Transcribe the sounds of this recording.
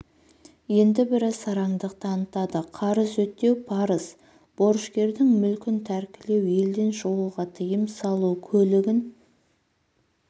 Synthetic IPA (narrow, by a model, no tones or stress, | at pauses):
je̞nd̪ɪbɪɾɑsɑɾɑɴd̪əq̚t̪əɑnət̪ɑd̪əqʰɑɾəzwɵt̪ːe̞wpʰɑɾəs | b̥o̞ɾʃkʲe̞ɾd̪ɪŋmʏlkʲɪnt̪ʰæɾkʲɪle̞wje̞ld̪e̞nʒowəʁɑt̪ʰəjəmsɑlˠukʲʰɵlɪɡʲɪn